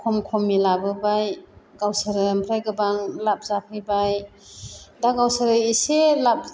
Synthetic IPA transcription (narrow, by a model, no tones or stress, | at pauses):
kʰɔmkʰɔmːilabɯbajɡawsaɾɯmpʰɾajɡɯbaŋlap̚zapʰɯjbaj | daɡawsaɾɯiselap̚